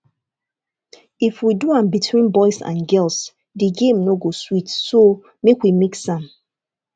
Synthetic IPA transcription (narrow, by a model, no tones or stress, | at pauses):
ifwiduãmbitʰwĩnbɔɪsã̰nɡɛls | diɡẽmnoɡoswitso | mekwimiksãn